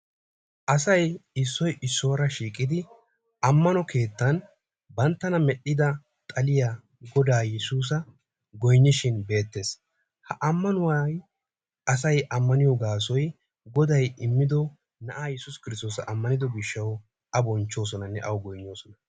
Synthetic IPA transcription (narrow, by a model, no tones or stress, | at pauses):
ʔɐsɐjɪsːɔjʔɪsːɔːɾɐʃiːkʼːɪd̪ɪ | ʔɐmːɐnɔkʰe̞ːt̪ːɐn | bɐnt̪ːɐnɐmɛɗːɪd̪ɐ | t̪ʼɐlɪja | ɡɔd̪aːjɛsuːs̬ɐ | ɡɔjɲːɪʃɪnbe̞ːt̪ːe̞s | hɐʔɐmːɐnʊwaj | ɐs̬ɐjɐmːɐnɪjɔɡaːs̬ɔj | ɡɔd̪ɐjɪmːɪd̪ɔ | nɐʔaːjɛsʊskɪɾɪst̪o̞ːsɐʔɐmːɐnɪd̪ɔɡɪʃːɐw | ʔɐbɔnt͡ʃːo̞ːsɔnɐnːɛ̰ʔɐwɡɔjnːo̞ːsɔnɐ